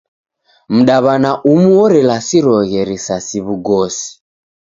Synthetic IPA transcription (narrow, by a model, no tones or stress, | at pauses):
m̩ɗaβanaʔumuwɔɾɛlasiɾɔɣɛɾisasiβuɡɔsi̥